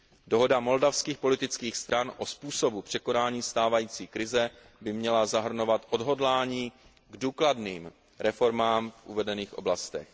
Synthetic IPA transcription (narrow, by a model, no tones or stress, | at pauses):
do̞ɦo̞damo̞ldafskiːxpo̞lɪt̪ɪt͡skiːxst̪ɾanʔospuːso̞bupr̥ɛko̞naːɲiːst̪aːvajiːt͡siːkɾɪzɛ | bɪmɲɛlazaɦr̩no̞vat̪ʔo̞dɦo̞dlaːɲiː | ɡduːkladniːm | ɾɛfo̞ɾmaːmfʔṵvɛdɛniːxʔo̞blast̪ɛ̰x